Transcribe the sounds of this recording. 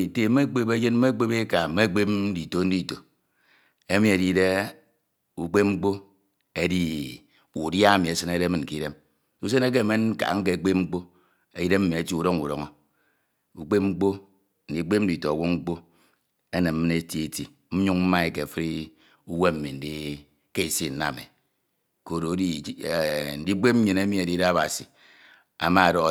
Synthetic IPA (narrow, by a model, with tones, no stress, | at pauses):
te˨˦e˦k͡pe˦be˦d͡ʒe˦n̩˦e˦k͡pe˦be˦ka˨m̩˦me˦k͡pe˦di˨to˨˦n̩˦di˦˨to˨ | e˦mi˨e˨di˦de˦ | u˨k͡pe˦p̚ŋ͡m̩˦k͡po˦ | e˦di˦ | u˨dja˦e˦mi˨e˨sɨ˦ne˦ɾe˦mɨ˨n̩˨ki˦ɾe˦m | u˦s̬e˦ne˦k̬e˦˨me˦n̩˦ka̰˨ŋ̩˦ke˦˨k͡pe˦p̚ŋ͡m̩˦k͡po˦ | e˨i˦ɾe˦m̩˦mi˨e˨ti˦u˨ɾo˦ŋu˨ɾo̰˨ŋɔ˦ | u˨k͡pe˦p̚ŋ͡m̩˦k͡po˦ | n̩˨di˦k͡pe˦m̩˦di˨to˨wu˦ŋ͡m̩˦k͡po˦ | e˦nɨ˨m˦m˦ne˦ti˦e˨ti˨ | m̩˦ɲu˦ŋm̩˦ma˦e˦ke˨fi˦ɾi˦ | u˦we˦m̩˦mi˨n̩˨˦di˦ | ke˦i˨si˦˨n̩˨na̰˨mḛ˨ | ko˨ɾo˨˦di˦˨˦n̩˦di˦k͡pe˦p̚m̩˦ɲi˨ne˦mi˦e˨di˦da˦a˦ba˨si˨ | a̰˨ma˦a˨dɔ˨˦